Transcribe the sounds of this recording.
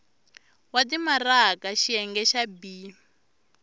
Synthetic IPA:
watimarakaʃiɛŋɡɛʃabi

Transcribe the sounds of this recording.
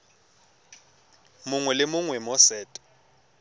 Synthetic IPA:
mʊŋwɛlɪmʊŋwɛmɔsɛːtʼɔ̥

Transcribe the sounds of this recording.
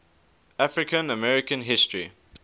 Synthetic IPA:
afɹɪkə̃nəmɛɹɪkə̃nɦɪstɹ̥i

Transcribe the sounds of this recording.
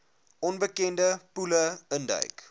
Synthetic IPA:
ʔɔnbəkɛndəpuləəndə̰ɥk

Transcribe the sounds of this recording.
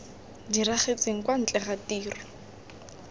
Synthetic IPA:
diraχet͡seŋ̩kwan̩t͡ɬʼɛχatiːrɔ

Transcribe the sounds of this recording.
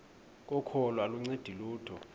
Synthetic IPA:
k̬ʼɔkʰɔlɔaluŋ͡ǀed̥ʱiluːtʰɔ

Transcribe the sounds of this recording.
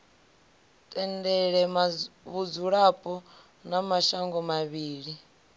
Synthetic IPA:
tʼɛndɛɺɛmaβud͡zuɺapʼɔ | namaʃaŋɡɔmaβiːɺi

